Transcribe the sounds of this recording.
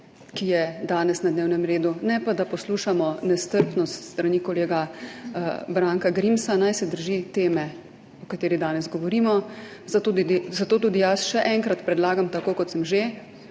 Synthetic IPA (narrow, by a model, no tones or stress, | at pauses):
kijɛd̪aːnɛsnad̪neːwnɛmɾeːd̪unɛpad̪apɔsluːʃamɔnɛst̪əɾpnɔst̪st̪ɾanikɔleːɡa | bɾaːŋkaɡɾimsanajsɛd̪əɾʒit̪eːmɛ | ɔkat̪eːɾid̪aːnɛzɡɔʋɔɾimɔzat̪ud̪izat̪oːt̪̬uːd̪ijasʃɛʔɛŋkɾat̪pɾɛd̪laːɡamt̪akoːkɔt̪səmʒe